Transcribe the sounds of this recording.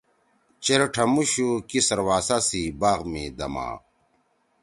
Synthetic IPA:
t͡ɕeɾeʈʰɐmuɕukisɐɾwaːsasibaːɣmid̪ɐ̰ma̰ː

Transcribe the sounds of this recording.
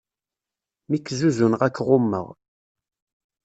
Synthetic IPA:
mikːzuzunʁækːʁʊmːə̰ʁ

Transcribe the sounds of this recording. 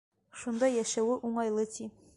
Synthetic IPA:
ʃund̪ɑjæʃæwɘʔuɴɑjlˠɤt̪i

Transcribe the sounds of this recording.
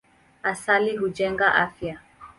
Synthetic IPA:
asaliɦud͡ʒɛŋɡaʔafja

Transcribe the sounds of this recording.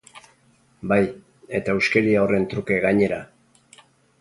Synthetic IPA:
baj | e̞t̪aewskeɾiaore̞nt̪ɾuke̞ɣaɲe̞ɾa

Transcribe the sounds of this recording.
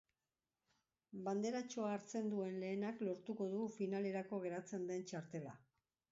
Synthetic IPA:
band̪e̞ɾat͡ʃo̞aːɾt͡se̞nd̪ue̞nle̞ːnaklo̞ɾt̪uko̞ðufinale̞ɾako̞ɣ̞e̞ɾat͡se̞nd̪e̞nt͡ʃaɾt̪e̞la̰

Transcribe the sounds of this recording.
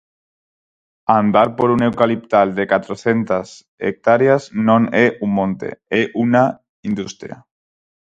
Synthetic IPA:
and̪aɾpoɾunewkalip̚t̪ald̪ekat̪ɾoθent̪as | ḛk̚t̪aɾjaznõneumːõnt̪ḛeʔuna | ind̪ust̪ɾja̰

